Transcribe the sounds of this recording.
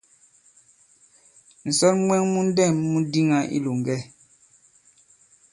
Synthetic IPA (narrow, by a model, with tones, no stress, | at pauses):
n̩˨sɔ˦lmwɛ˦ŋmu˦n̩˦dɛ˦˨mːu˦di˦ŋa˦ʔḭ˦lu˨ŋ˨ɡɛ˦